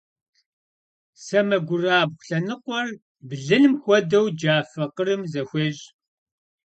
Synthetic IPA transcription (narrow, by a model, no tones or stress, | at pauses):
sɐmɐɡʷʊraːbxʷʊ̥ɬɐnɨqʷɔr | bɮɨnɨmxʷɔdɐwd͡ʒaːfɐqəɾɨmzɐxʷeːʑ